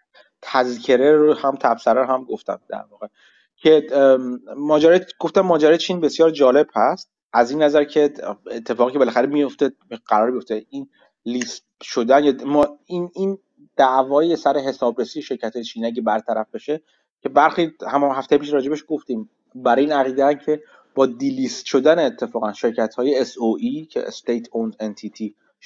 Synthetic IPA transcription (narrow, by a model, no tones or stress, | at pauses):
t̪ʰæzcʰeɾeɾohæmt̪ʰæbsæɾæɾɦæmɡo̞ft̪æ̰md̪̥æ̰ɾvɒːɣe̞ | cʰe | mɒːd͡ʒæɾɒjɡ̥o̞ft̪æmːɒːd͡ʒæɾɒːjet͡ʃʰiːnbe̞sjɒːɾd͡ʒɒːle̞b̥hæst̪̚ | ʔæzinːæzæɾcʰe̞et̪ʰːe̞fɒːɣicʰebelæxæɾemijo̞ft̪eɢ̥æɾɒːɾmijo̞ft̪e̞in | lis | ʃo̞d̪ænjminin | d̪̥æʔvɒːjesæɾe̞ɦe̞sɒːbɾesiːeʃe̞ɾcʰæt̪hɒːjet͡ʃʰiːniæɟebæɾt̪ʰæɾæfb̥e̞ʃe | cʰe̞bæɾxihæmɦæft̪e̞jepiʃɾɒːd͡ʒe̞beʃɡo̞ft̪iːm | bæɾiːnæɣiːd̪ææmcʰe̞ | b̥ɒːd̪iːlist̪ʃo̞d̪æneːt̪ʰːe̞fɒːɣænʃe̞ɾcʰæt̪hɒːje̞ːsoʔicʰḛst̪ejt̪ʰonzent̪ʰit̪ʰi